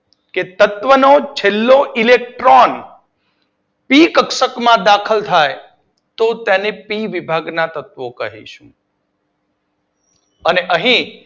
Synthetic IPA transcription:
ket̪ət̪ʋənot͡ʃʰelːoʔilek̚ʈɾon | pikəkʃəkmãd̪akʰəlt̪ʰaj | t̪ot̪ɛnepiʋibʱaɡnat̪ət̪ʋokəɦḭʃṵ̃ | əneʔəɦĩ

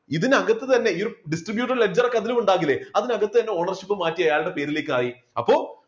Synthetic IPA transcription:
iðinɐɣɐt̪ːɨt̪ɐnːe̞oɾuɖisʈribjuːʈːɐrled͡ʑɐrkɐðilumuɳɖaːŋɡilːeɐðinɐɣɐt̪ːɨt̪ɐnːeo̞ːɳɐrɕipːɨmaːtːiɐjaːɭɨɽe̞pe̞ːɾile̞ːkːɨaːri | ɐpːo̞ː

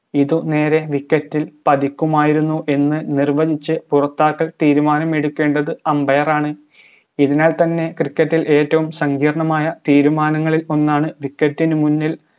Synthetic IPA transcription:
iðune̞ːɾe̞ʋikːɐtːilpɐd̪ikʲːumaːjiɾunːuʔe̞nːɨnirʋɐðit͡ɕːɨpurɐt̪ːaːkːɐlt̪iːɾumaːnɐme̞ɽukːe̞ːɳɖɐðɨɐmbɐjɐraːɳɨ | iðinaːlt̪ɐnːe̞krikːɐtːilʔe̞ːtːɐʋumsɐŋɡiːrɐɳɐmaːjɐt̪iːɾumaːnɐŋːɐɭilo̞nːaːɳɨʋikːɐtːinɨmunːil

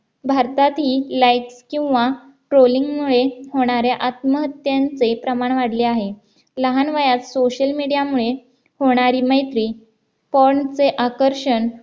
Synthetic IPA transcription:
bʱaɾt̪at̪ɦiːlajʈskĩw̃ʋa | ʈɾoliŋɡmuɭehoɽ̃aɾjaʔat̪məɦət̪jant͡sepɾəmaɳʋaɽleaɦe | ləɦanʋajat̪soɕəlmiɽijamuɭe | hoɽ̃aɾiːməjt̪ɾiː | pɔɾɳt͡seʔakəɾʂəɳ

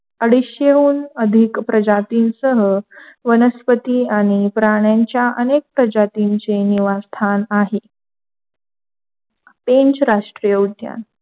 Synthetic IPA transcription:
əɽiɕjeɦuːnəd̪ʱikpɾəd͡ʑat̪iːnsəɦəʋənəspət̪iːaɽ̃ipɾaɳ̃jaɲt͡ɕjaʔənek̚pɾəd͡ʑat̪iɲt͡seniʋast̪ʰanaɦe | pẽɲt͡ɕɾaʂʈɾijəud̪ʱja̰n

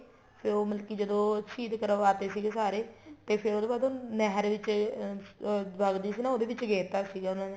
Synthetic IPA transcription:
pʰɪɾoːməlkiːd͡ʒəd̪õːʃʰiːd̪kəɾʋaːt̪eːsiːɡeːsaːɾeːt̪eːpʰɪɾoːd̪eːbaːd̪õːnɛɦəɾʋɪt͡ʃ | ʋəɡd̪iːsiːnãːoːd̪eːʋɪt͡ʃɡeːt̪aːsiːɡaːʊnãːne

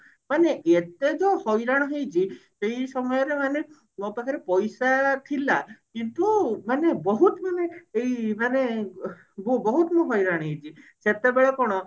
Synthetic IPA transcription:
maneet̪ed͡ʒɔhɔjɾaɽ̃ɦejt͡ʃʰisejsɔmɔjɔɾemane | ɔpakʰaɾepɔjsat̪ʰilakint̪umanebɔɦut̪maneejmane | bobɔɦut̪muɦɔjɾaɽ̃ɦejt͡ʃʰiset̪ebeɭɔkɔɽ̃ɔ

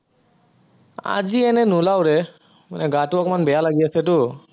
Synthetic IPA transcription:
a̰ziɛnɛnulawɹɛ | manɛɡatuɔkɔmanbɛjalaɡiasɛt̬ʊ

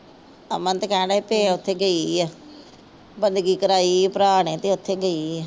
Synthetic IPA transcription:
əmə̃nt̪əkɛ̃ːɽaːipeːʊt̪ʰːeːɡəiːɛː | bənd̪ɡiːkəɾaːiːpəɾaːɳẽːt̪ẽːʊt̪ʰːeːɡəiːɛː

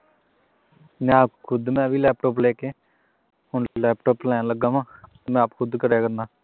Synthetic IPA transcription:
mɛ̃ːakʰʊd̪mɛ̃ːʋiːlɛːp̚ʈoːplɛːkeː | hʊɳlɛːpʈoːplɛːãləɡãːmãːt̪ːmɛ̃ːaːpkʰʊd̪kəɾjaːkəɾnaː

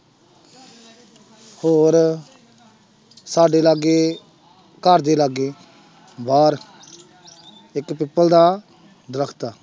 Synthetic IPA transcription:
hoːɾ | saːɖeːlaːɡeː | kəɾd̪eːlaɡeː | baːɾ | ɪkpɪpːəld̪aː | d̪ɾəkʰt̪aː

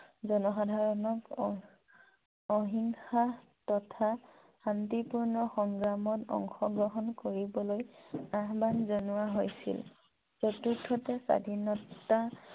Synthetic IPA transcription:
zɔnɔxadʱaɹɔnɔk | ɔɦiŋxa | tɔtʰa | xantipuɹnɔxɔŋɡɹamɔtɔ̰ŋxɔɡɹɔɦɔnkoɹibɔlojaɦbanzonʊaɦojsḭl | sotudʰʱːɔtɛsa̰dʱinɔtːa

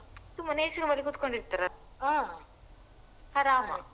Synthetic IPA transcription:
sumɐneːsinuʋɐlikut̪koɳɖiɾt̪aɾɐa | hɐɾaːmɐ̰

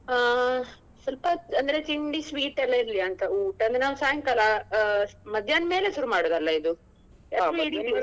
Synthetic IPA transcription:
sɐlpɐɐnd̪ɐɾe̞t͡ʃiɳɖisʋiːʈɛlːɐiɾliɐnt̪ɐuːʈɐnd̪ɾenaːʋusaːjɐŋkɐlɐ | mɐd̪ʱjanme̞ːle̞suɾumaːɽoːd̪ɐlːɐid̪u | aɐiɽio

